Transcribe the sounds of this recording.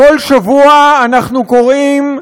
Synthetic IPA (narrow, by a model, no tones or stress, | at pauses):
olʃavuaːnaχnuko̞ʁim